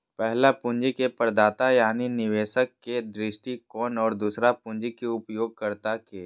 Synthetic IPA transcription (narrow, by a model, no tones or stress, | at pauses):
pɛɦlapʊ̃ɲd͡ʒikepəɾd̪aːt̪ajaːninɪʋeːʃəkːed̪ɾɪʃʈikɔːnɔːɾd̪uːsɾapʊ̃ɲd͡ʒikeʊpjoːɡ̚kɐɾt̪akeː